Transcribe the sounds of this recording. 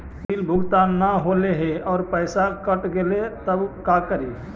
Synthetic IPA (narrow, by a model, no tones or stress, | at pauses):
piːlbʱʊɡt̪aːnːaɦoleɦeɔːɾpəɪsakəʈɡelet̪əbkakəɾe